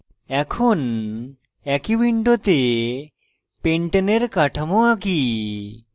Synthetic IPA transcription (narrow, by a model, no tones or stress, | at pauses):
ɛkʰun | ɛkiʋiɳɖot̪e | peɳʈəneɾkaʈʰəmoaki